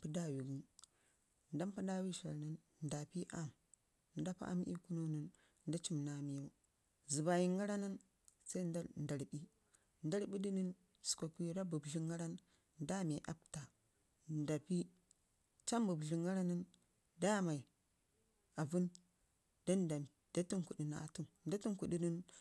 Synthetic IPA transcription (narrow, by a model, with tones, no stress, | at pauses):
pu˦da˦˨wi˨ɡi˦n | nda˦mpa˦da˦wi˦ʃa̰˨lnə˦n | nda˨pi˦ʔa˦˨m | n˦da˦pa̰˦ʔa̰˦m˦ḭ˦ku˦no˦nə˦n | n˦da˦t͡ʃi˦˨mna˨mi˦jo˦ | zi˨ba˨ji˦ŋɡa˦ɾa˦na˦n | sa˦i˦nda˦nda˨ɾbi˦ | nda˦ɾbi˦di˦ni˦n | su̥˨ko˨ki˦jo˦da˦bu˨bɮi˦ŋɡa˦ɾa˦n | n˦da˦mi˨ʔa˦p̚ta˨ | nda˨pi˦ | t͡ʃa˦m˦bu˨bɮi˨ŋɡa˦ɾa˦nə˦n | da˦ma˨i˨ | a˨vu˦n | d̥a˦nda˨m˨da˦tu˦nku˨di˨na̰˨tu˦nnda˦ti˦nku˨ɗi˦ni˦n